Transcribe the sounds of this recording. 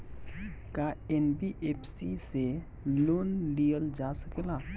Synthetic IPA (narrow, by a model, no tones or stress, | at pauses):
kaenbiʔepʰsise | loːnlijəld͡ʒasəkela